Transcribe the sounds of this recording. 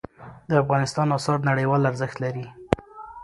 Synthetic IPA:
d̪əafɣɑnɪst̪ɑnɑsɑɾnaɽəjwɑlaɾzəxt̪laɾi

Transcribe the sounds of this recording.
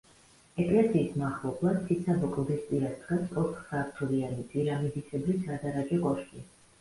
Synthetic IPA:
ɛkʼlɛsiːsmaχlˠɔblˠad̪t̪ʰit̪sʰabɔkʼlˠd̪ispʼiɾasd̪ɡɛsɔtt̪χsaːɾt̪ʰulianit̪ʼviɾamid̪isʰɛblisʰad̪aɾad͡ʒʼɛkʼɔɾʃkʼi

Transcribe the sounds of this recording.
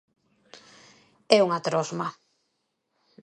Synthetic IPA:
ɛuŋat̪ɾɔzma

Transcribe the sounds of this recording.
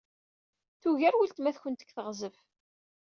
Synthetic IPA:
θuʝæɾwilt̪mæθçənt̪ə̥ɡθəʁzəf

